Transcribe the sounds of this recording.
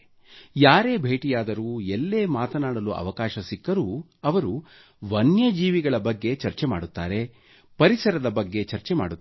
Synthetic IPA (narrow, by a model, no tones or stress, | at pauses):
jaːɾe̞ːbʱe̞ːʈijaːd̪ɐɾuːelːe̞ːmaːt̪ɐnaːɽɐluʔɐ̰ʋɐkaːʃɐsikːɐɾu | ɐʋɐɾu | ʋɐnjɐd͡ʒiːʋiɡɐɭɐbɐɡːe̞t͡ʃɐɾt͡ʃemaːɽut̪ːaːɾe̞ | pɐɾisɐɾɐd̪ɐbɐɡːe̞t͡ʃɐɾt͡ʃemaːɽut̪ː